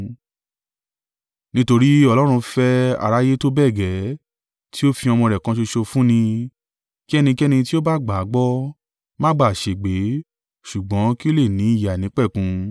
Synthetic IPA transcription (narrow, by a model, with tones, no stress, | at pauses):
nĩ˦to˧ɾi˦ɔ˧lɔ˦ɾ̃ũ˧fɛ˦a̰˨ɾa˦je˦to˦bɛ˦˨ɡɛ˨˦ | tʰi˦o˦fĩ˧ɔ˧mɔ̃˧ɾɛ˨kã˨˦ʃe˧ʃo˧fũ˦nĩ˧ | ki˦ɛ˦˧nĩ˧ki˦ɛ˦nĩ˧ti˦o˦ba˦˨ɡ͡ba˨˦ɡ͡bɔ˦ | mã˦ɡ͡ba˦˨ʃe˨ɡ͡be˨˦ | ʃu˨ɡ͡bɔ̃˨˦ki˦o˦le˦˨nĩ˨˦i˦˨ja˨nĩ˨˦k͡pɛ˦˨kũ˨˧